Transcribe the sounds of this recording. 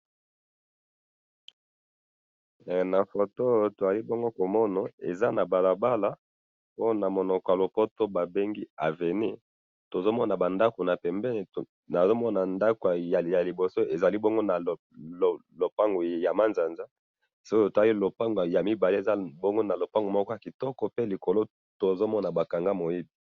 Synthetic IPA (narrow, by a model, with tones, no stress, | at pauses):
na˨fo˨to˦˨to˨za˨li˦bɔ˦ŋɡo˦ko˨mɔ˦na˨e˨za˦na˨ba˨la˨ba˦la˨ | po˦na˨mo˨nɔ˨kɔ˨ja˨lo˨po˦to˦ba˨be˦ŋɡi˦a˨ve˨ni˦ | to˨zo˦mɔ˦na˨ba˨nda˦ko˨na˨pɛ˨mbɛ˦˨ | na˨zo˦mɔ˦na˨nda˦ko˨ja˨ja˨li˨bo˨so˦e˨za˨li˦bo˦ŋɡo˦na˨ | lo˨pa˦ŋɡu˨ja˨ma˦nza˨nza˦ | so˦kto˨za˨i˦lo˨pa˦ŋɡo˨ja˨mi˦ba˨li˦e˨za˦bɔ˦ŋɡo˦na˨lo˨pa˦ŋɡo˨mɔ˦kɔ˦ja˨ki˨tɔ˦kɔ˨pe˦li˨ko˨lo˦ | to˨zo˦mɔ˦na˨ba˨ka˨ŋɡa˦mo˨ji˦bi˨